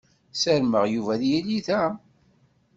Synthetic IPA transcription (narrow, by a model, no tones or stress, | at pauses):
səɾməʁjuvæðjiliðæ